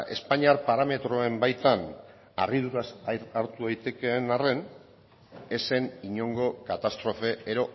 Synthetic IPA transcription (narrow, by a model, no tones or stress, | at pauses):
e̞spaɲiaɾpaɾame̞t̪ɾo̞e̞mbajt̪an | a̰riðuɾaaɾt̪uðajt̪e̞ke̞nare̞n | e̞se̞niɲo̞ŋɡo̞kat̪ast̪ɾo̞fe̞eɾo̞